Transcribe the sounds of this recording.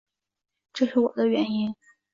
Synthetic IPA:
ʈ͡ʂɤ˥˧ʂɻ̩˥˩wɔ̰˨˩d̪ə˦ɥɛ˧˥ni˥n

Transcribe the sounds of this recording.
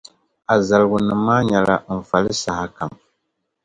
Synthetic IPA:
a˨za˨lɨ˨ɡu˨nɨ˨mːaː˦ɲa˨la˦ɱ̩˨fa˨lɨ˦sa˨ha˨ka˨m

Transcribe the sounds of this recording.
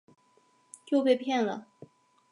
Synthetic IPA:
t͡ɕjo˥˧ʊpe˥˧ɪpʰjɛ˥˩nlə̰˨

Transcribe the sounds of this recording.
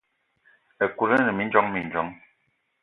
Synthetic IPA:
ə˨ku˨ɾə˦nə˨mi˦n˦d͡ʒɔ˦ŋmi˨n˨d͡ʒɔ˦ŋ

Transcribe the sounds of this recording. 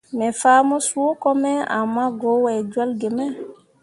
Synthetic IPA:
mɛ˨faː˦mɔ˦su˦o˦kɔ˦mɛ˦a̰˨mːa˦ɡo˨˦wɛ˨d͡ʒu˦a˦lɡe˨mɛ˦

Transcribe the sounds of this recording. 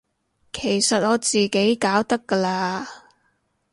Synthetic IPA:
kʰe˨˩jsɐ˨t̚ɔː˨˧t͡siː˨ke˨˥jkaː˨˥wt̪ɐ˥kːə˧laː˧

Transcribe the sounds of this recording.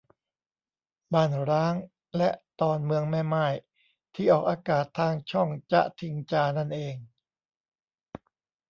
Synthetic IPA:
baː˥˩nɾaː˦˥ŋ | lɛ˦˥ʔt̪ɔː˧nmɯ˧əŋmɛː˥˩maː˥˩j | t̪ʰiː˥˩ʔɔː˨˩k̚ʔaː˧kaː˨˩t̪ʰːaː˧ŋt͡ɕʰɔ˥˩ŋt͡ɕa̰˧t̪ʰi˧ŋt͡ɕaː˧na˥˩nʔeː˧ŋ

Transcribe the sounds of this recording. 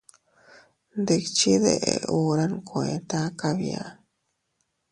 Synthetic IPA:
nd̪e˨kt͡ʃi˦ðḛ˨ʔeu˨ɾa˦nkʰo˨e˨t̪a˦kaβja̰˨

